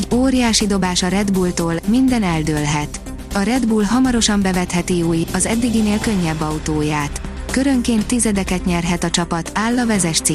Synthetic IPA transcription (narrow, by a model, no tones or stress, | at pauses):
ɟoːɾijaːʃid̪o̞baːʃɒɾɛd̪bult̪oːlmind̪ɛnɛld̪øːlɦɛt̪ | ɒɾɛd̪bulɦɒmɒɾo̞ʃɒmbɛvɛt̪hɛt̪iuːjɒzɛd̪ːiɡineːlkø̞ɲːɛbːɒut̪oːjaːt̪køɾø̞ŋkeːnt̪ːizɛd̪ɛkɛt̪ɲɛrɦɛt̪ɒt͡ʃɒpɒt̪aːlːɒvɛzɛʃt̪si